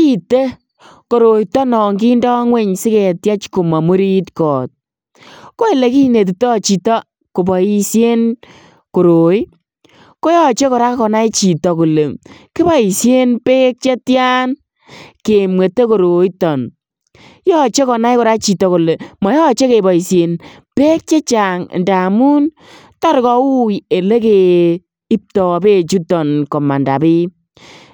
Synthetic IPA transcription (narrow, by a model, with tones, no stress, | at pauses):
ki˦te˦ | ko˨ɾo˨i˦tɔ˦nɔ˨ŋɡi˦ndɔː˦ŋwe˦ɲsɪ˦ke˨tja˦t͡ʃko˨ma˨mu˦ɾi˦tkɔː˨t̚ | ko˦e˨le˨ki˦ne˨t̬u˨tɔ˦˨t͡ʃi˨tɔ˦ | ko˨bɔ˨i˦sje˦n | ko˨ɾo˨i˦ | ko˦jɔ˦t͡ʃe˦kɔ˨ɾa˦kɔ˨na˦i˦t͡ʃi˨tɔ˨ku˨le˨kɪ˦ba˦i˨sje˦npe˦k̚t͡ʃe˦tja˦n | ke˨mwe˨te˦ko˨ɾo˨i˦tɔ˨n | jɔ˦t͡ʃe˦kɔ˨na˦i˦kɔ˨ɾa˦t͡ʃi˨tɔ˨ku˨le˨mɔ˨˦jɔ˦t͡ʃe˦ke˨ba˨i˨sje˨n | pe˦k̚t͡ʃe˦t͡ʃa˨ŋ̰˨nda˨mu˦n | ta˦ɾkɔ˨u˦je˨le˦ke˨ | i˦p̚tɔ˨be˦t͡ʃu˦tɔ˨nkɔ˨ma˨nda̰˨bɪ˦